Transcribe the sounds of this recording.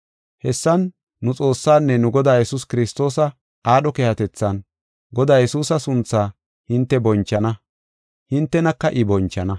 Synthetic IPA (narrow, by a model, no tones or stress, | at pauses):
hɛsːɐnː | ʊt͡sʼo̞ːsːaːnːɛnʊɡɔd̪aːjɛsuskɪɾɪst̪o̞ːsɐ | aːɗɔkehɐt̪ɛt͡sːɐn | ɡɔd̪aːjɛsuːsɐsʊnt͡sːaː | hɪnt̪ːɛbɔnt͡ʃːɐnɐ | hɪnt̪ːɛnɐkːɐʔɪbɔnt͡ʃːɐnɐ